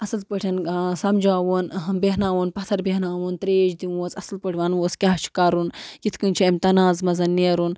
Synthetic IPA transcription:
ɐsɨlpəʈʰʲɐnsɐmd͡ʒaːʋunbeɦnaːʋuːnpɐt̪ʰɐɾbeɦnaːʋunt̪ɾeːd͡ʒd̪inoːt͡sɐsɨlpəʈʰʲʋɐnʋoːskʲaɦt͡ʃʰi̥kɐɾunjit̪ʰkɨnʲt͡ʃʰiɐmʲt̪ɐnaːzmɐzɐnːeːɾun

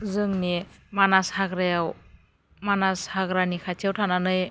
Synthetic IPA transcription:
zɯŋnemanashaɡɾajaw | manashaɡɾanikʰatʰiawtʰananɯj

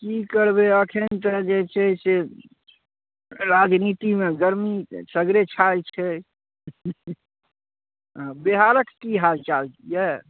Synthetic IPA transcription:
kikəɾbeəkʰent̪əd͡ʒet͡ʃʰɛse | ɾad͡ʒnit̪imeɡəɾmisəɡɾet͡ʃʰalt͡ʃʰɛ | beɦaɾəkːiɦalt͡ʃaljɛ

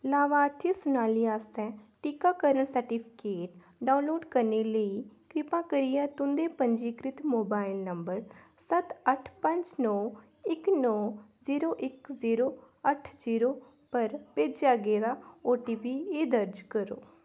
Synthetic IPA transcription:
laːʋãːəɾt̪ʰiːsʊnaːliːaːst̪ɛ̃ːʈɪkaːkəɾəɳsəɾʈiːpʰɪ̥keːʈ | ɖaːũnloːɖkəɾneːləiːkɾɪpãːkəɾijãːt̪ʊ̃nd̪eːpəɲd͡ʒiːkɾɪt̪moːbaːɪlnəmbəɾ | sət̪əʈʰpəɲd͡ʒnɔː | ɪknɔːziːɾoːʔɪkziːɾoː | əʈʰziːɾoː | pəɾpeːd͡ʒaːɡeːd̪aːoːʈiːpiːeːd̪əɾd͡ʒkəɾo̰ː

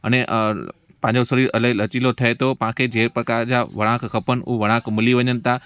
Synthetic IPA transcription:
ɐ̰ñeʔ | pɐ̃ɪ̃ɲd͡ʑosɐɾiːɾɐləɦlɐt͡ɕilot̪ʰɐet̪ʰopɐɦãkʰed͡ʑeːɾpɾɐkaːɾd͡ʑaːʋɐɽ̃ãːkxɐpənʊ̰ɦʋɐɽ̃ãːkmɪliʋɐɲənɪ̆t̪ʰa

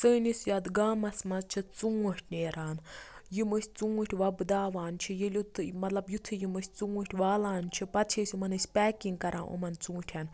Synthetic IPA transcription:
t͡səːnisjaːd̪ɡaːmɐsmɐzt͡ʃʰit͡suːɐʈʰʲneːɾaːnjimɨsʲt͡suːɐʈʲʰʋɐbɨd̪aːʋaːnt͡ʃʰijelʲut̪ʰmɐt̪lɐbjut̪ʰɨjimɨsʲt͡suːəʈʲʰʋaːlaːnt͡ʃʰipɐt̪t͡ʃʰesʲumɐnɨsʲpʲɛːkʲiŋɡkɐɾʔaːnʔo̰mɐnt͡sũːʈʲʰan

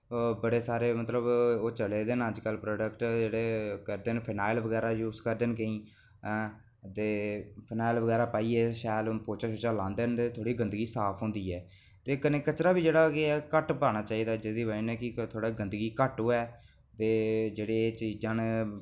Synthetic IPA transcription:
bəɽeːsaːɾeːmət̪ləboːt͡ʃəleːd̪eːnəd͡ʒkəlpɾoːɖəkʈd͡ʒeːɽeːkəɾd̪eːnpʰɪnaːɪlʋəɡɛːɾaːjuːzkəɾd̪eːnkəĩː | t̪eːpʰɪnaːɪlʋəɡɛːɾaːpaːiːeːʃaːlpoːt͡ʃaːʃot͡ʃaːlãːnd̪ent̪eːt̪ʰoːɽiːɡənd̪əɡiːsaːpʰɦõːnd̪iːɛː | t̪eːkəneːkət͡ʃɾaːbiːd͡ʒeːɽaːkeɛːkəʈpaːnaːt͡ʃaːiːd̪aːd͡ʒed̪iːʋəinɛ̃ːkɪt̪ʰoːɽaːɡənd̪əɡiːkəʈoːɛː | t̪eːd͡ʒeːɽeːt͡ʃiːd͡ʒãːn

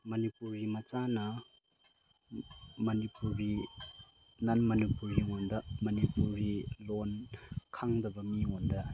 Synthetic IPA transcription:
mɐnipuɾɡimɐt͡ʃanɐ | mɐnipuɾbi | nanmɐnipuɾɡiondɐmɐnipuɾilonkʰaŋdɐbɐmiondɐ

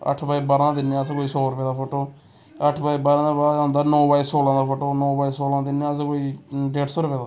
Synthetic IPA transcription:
ə̰ʈʰbaːiːbaːɾãːd̪ɪnːãːəskoːiːsɔːɾʊpɛːd̪aːpʰoːʈoː | əʈʰbaːiːbaːɾãːbaːãːnd̪aːnɔ̃ːbaːiːsoːlãːd̪aːpʰoːʈoːnɔ̃ːbaːiːsoːlãːd̪ɪnãːskoːiːɖeːʈsoːɾʊpɛːd̪aː

